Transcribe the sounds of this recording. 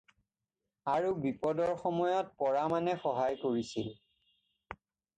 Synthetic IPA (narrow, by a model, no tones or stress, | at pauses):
aɹubipɔdɔɹxɔmɔjɔt̚pɔɹamanɛxɔɦajkoɹisil